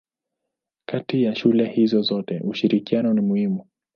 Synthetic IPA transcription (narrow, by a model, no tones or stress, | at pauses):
katijaʃulɛhizɔzɔtɛʔuʃiɾikianɔnimuhimu